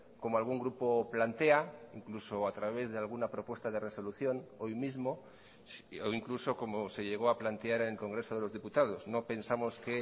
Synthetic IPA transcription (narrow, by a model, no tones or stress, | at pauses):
ko̞moalɣ̞uŋɡɾupo̞plant̪e̞aiŋkluso̞at̪ɾaβ̞e̞zðe̞alɣ̞unapɾo̞pwe̞st̪aðe̞re̞so̞luθjo̞no̞jmizmo̞ | oiŋkluso̞ko̞mose̞ʎe̞ɣ̞o̞aplant̪eaɾenelko̞ŋɡɾe̞so̞ð̞e̞lo̞zðiput̪að̞o̞szno̞pe̞nsamo̞ske